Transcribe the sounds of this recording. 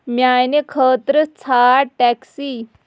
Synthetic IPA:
mjajnekʰət̪ɾət͡sʰaʈɛksi

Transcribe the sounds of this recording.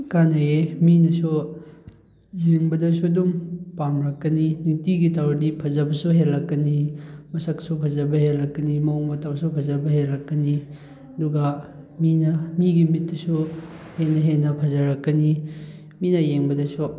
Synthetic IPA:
kanɐeminɐsu | jeŋbɐdɐsudumpamɾɐkːɐninitiɡitawɾdipʰɐzɐbɐsuɦelːɐkːɐnimɐsɐksupʰɐzɐbɐhelːɐkːɐnimɐoŋmɐtawsupʰɐzɐbɐɦelɐkːɐni | ɐduɡa | minɐmiɡimit̚dɐsu | henːɐɦenɐpʰɐzɐɾɐkːɐni | minɐjeŋbɐdɐsu

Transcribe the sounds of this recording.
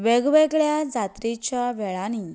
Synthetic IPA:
ʋɛɡʋɛɡɭjad͡zat̪ɾit͡ɕaʋɛɭani

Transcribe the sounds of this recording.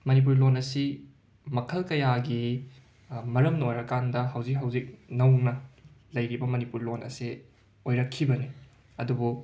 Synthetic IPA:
mɐnip̬uɾlonɐsi | mɐkʰɐlkɐjaɡi | mɐɾɐmnojɾɐkandɐɦɐwzik̚ɦɐwzik̚nɐwnɐlɐjɾibɐmɐnipuɾlonɐ̰si | ojɾɐkʰːibɐni | ɐdubu

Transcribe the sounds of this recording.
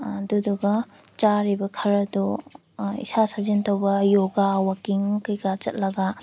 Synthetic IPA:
duduɡɐ | t͡ʃaɾibɐkʰɐɾɐdɔ | ḭsasazintɐwbɐjoɡawakiŋkɐjɡat͡ʃɐt̚lɐɡɐ

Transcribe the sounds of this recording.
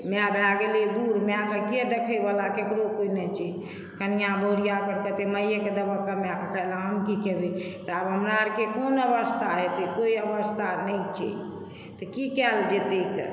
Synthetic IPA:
meabeaɡeled̪uɾmeakʰəked̪ekʰəjbalakekɾokoinɛt͡ʃʰi | kənijabəɽijakəɾkət̪eməjeked̪əbəkəmeakʰəkəlaɦəmkikebet̪ɔabɦəmɾaɾkekonəbəst̪ʰaɦet̪ekoiəbəst̪ʰanəit͡ʃʰɛ̰ | t̪əkikɛld͡ʒet̪ek

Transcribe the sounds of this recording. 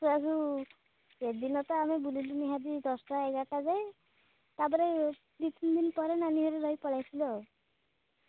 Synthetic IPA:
suasu | ed̪inɔt̪ɔamɛbuliluniɦad̪id̪ɔstɔɛɡaʈazaj | t̪abɔɾɛ | ɾit̪ind̪inpɔɾɛnaniɦɔɾɛɾɔjpɔlajsilɔ

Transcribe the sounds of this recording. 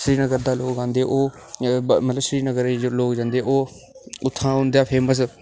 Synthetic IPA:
sɾiːnəɡəɾd̪aːloːkd͡ʒãːnd̪eːʔoː | mət̪ləbʃɾiːnəɡəɾloːkd͡ʒãːnd̪eːʔoː | ʊt̪ʰːãːɦʊ̃nd̪aːpʰeːməs

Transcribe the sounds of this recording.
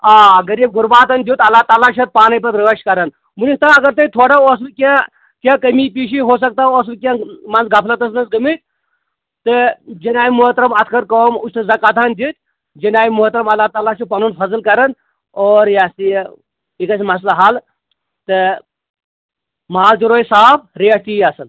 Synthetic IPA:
aːɐɡɐɾiːb̚ɡuɾbaːt̪ɐnʲd̪ʲjut̪ɐlːaːt̪aːlat͡ʃʰɐt̪̚paːnɐp̬ɐɾɾɐʋɐʃkɐɾɐn | munist̪ãɐɡɐɾt̪ɐt̪ʰoːɽaos̬lkʲã | kʲãkɐmipiːʃiɦoːs̬ɐk̚t̪aos̬lkʲãmɐnzɡɐpʰlɐt̪ɐsnɐsɡɐmit̪̚ʲ | t̪ɨd͡ʒɐnaːjimuɦɐt̪ɾɐmɐt̪ʰkʰɐɾkoːmuʃt̪ɨzɐkaːt̪ʰand̪it̪ʲ | d͡ʒɐnaːimuɦɐt̪ɾɐmɐlːaːt̪aːlat͡ʃʰupɐnunpʰɐzlkɐɾɐn | oːɾjast̪i | ikɐsmɐs̬laɦal | t̪ɨ | maːd͡ʒ̪iɾoːjsaːb̚ɾeɐst̪iɐsɐn

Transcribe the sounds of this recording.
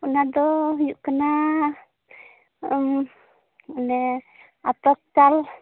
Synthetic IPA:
unadɔjuʔkəna | əm | nɛ | at̪ɔk̚tal

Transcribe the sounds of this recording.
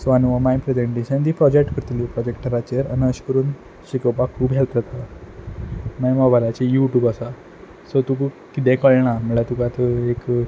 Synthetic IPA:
sʋanʋamajpɾed͡ʑeɳʈeɕənd̪iːpɾɔd͡ʑek̚ʈkəɾt̪lipɾɔd͡ʑek̚ʈəɾat͡ɕeɾanəɕkəɾuːn | ɕikopakʰuːbɦelt̪ɾət̪a | mãjmaɡbʱalajt͡ɕejuʈjuːbasa | sɔt̪uku | kit̪ɛ̃kəɭɳam̤əɭat̪ukat̪əek

